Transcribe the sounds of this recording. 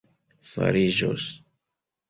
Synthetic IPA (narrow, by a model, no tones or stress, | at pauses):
fa̰ɾiʒo̰s